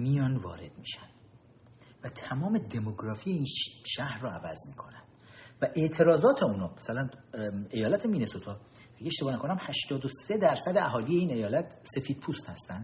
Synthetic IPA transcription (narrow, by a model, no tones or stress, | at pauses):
mijɒːnvɒ̰ːɾe̞̰d̪̥miːʃænd̪̥ | væt̪ʰæmɒːme̞d̪e̞moɡɾɒːfiːjeiːnʃæhɾːɒːævæzmiːkʰo̞nænd̪̥væʔeʔt̪ʰe̞ɾɒːzɒːt̪ʰe̞uːnɒːmæsælæne̞jɒːlæt̪ʰemiːnesot̪ʰɒː | æɡeeʃt̪ebɒːnækʰonæmhæʃt̪ɒːd̪ose̞d̪æɾsæd̪eæɦɒːliːje̞iːne̞jɒːlæt̪ʰse̞fiːd̪̥̚pʰuːst̪hæst̪ænd̪